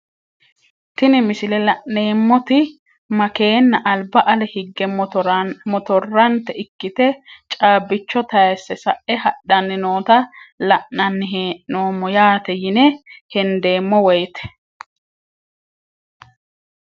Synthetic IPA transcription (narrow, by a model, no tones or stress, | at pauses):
t̪ɪnɪmɪsɪlɛlɐʔne̞ːmːɔt̪ɪ | mɐke̞ːnːɐʔɐlbɐʔɐlɛhɪɡːɛ | mɔt̪ɔrːɐnt̪ɛɪkːɪt̪ɛt͡ʃʼaːbːɪt͡ʃːɔt̪ɐjɛsːɛsɐʔɛhɐɗːɐnːɪnoːt̪ɐlɐʔːɐnːɪɦeːʔnoːmːɔjaːt̪ɛjɪnɛhɛnd̪e̞ːmːɔwɔjt̪ɛ̥